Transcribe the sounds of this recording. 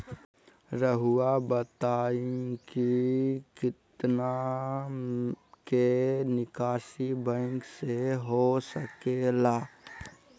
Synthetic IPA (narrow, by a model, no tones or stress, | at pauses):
ɾəɦʊabət̪aːĩkikɪt̪na | kenɪkaːʃibə̃ŋkseɦosəkelaː